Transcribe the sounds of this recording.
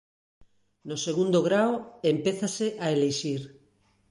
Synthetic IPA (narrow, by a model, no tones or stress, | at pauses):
noseɣund̪oɣɾaoempeθaseʔaeleʃiɾ